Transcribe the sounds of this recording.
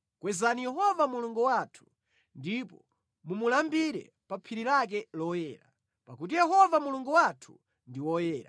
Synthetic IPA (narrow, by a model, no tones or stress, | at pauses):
kwɛzanijɛɦɔvamuluŋɡuwatʰu̥ | ndipɔ | mumulambiɾɛ̰ | papʰiɾilak̬ɛlɔjɛːɾa̰ | pakut̬ijɛɦɔvamuluŋɡuwatʰu̥̰ | ndiwɔjɛːɾa̰